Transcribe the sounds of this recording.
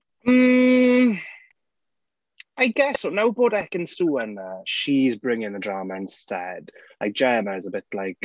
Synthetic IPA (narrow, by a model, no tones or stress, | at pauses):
m̩ | aɪɡɛsɔnawbɔːdɛkə̃nsuːənəʃizbɹɪ̃ŋɪ̃ŋðədɹɑːməɪ̃nstɛ̰d̥laɪk̚d̥ʒ̥ɛːməɪzəbɪtlaɪk